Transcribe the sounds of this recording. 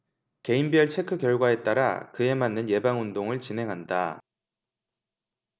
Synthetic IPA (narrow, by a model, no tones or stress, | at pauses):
ke̞imbiʌɭt͡ɕʰe̞kʰɯkjʌɭɡwae̞t͈aɾa̰kɯe̞manːɯnje̞baŋundoŋɯɭt͡ɕinɦe̞ŋɦanda